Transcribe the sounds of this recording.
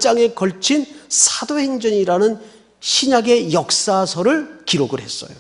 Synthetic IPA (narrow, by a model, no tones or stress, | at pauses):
t͡ɕ͈aŋe̞kʌɭt͡ɕʰinsʰadohe̞ŋd͡ʑʌɲiɾanɯn | ɕʰiɲaɡe̞jʌk̚s͈asʰʌɾɯɭkiɾoɡɯɭɦe̞s͈ʌ̰jo